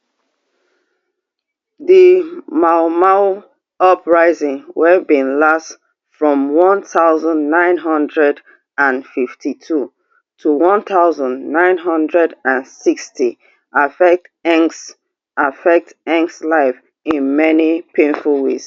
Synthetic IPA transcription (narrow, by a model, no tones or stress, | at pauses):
ðimaʊmaw | ɔpɹaɪzɪ̃ŋwɛvbĩnlast | fɹɔ̃mwɔ̃nθaʊzə̃nːãɪ̃nɦʌ̃ndɹɛd | ãnfiftʰitʰu | tʰuwɔ̃nθaʊzə̃nnãɪ̃nɦʌ̃ndɹɛdãnsikstʰi | ʔafɛk̚tɛ̃ŋs | ʔafɛk̚tɛ̃ŋkslaɪf | ĩnmɛnipʰẽnfulˠwes